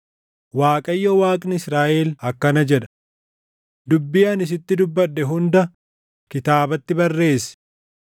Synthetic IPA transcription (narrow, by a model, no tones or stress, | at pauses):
waːkʼɐjːowaːkʼnɪɪsɾaːʔeːlɐkːɐnɐd͡ʒɛᶑɐ̥ | d̪ʊbːɪjaːnɪs̬ɪt̪ːɪd̪ʊbːɐɗːɛɦʊnd̪ɐ | kɪt̪aːbɐt̪ːɪbɐrːe̞ːs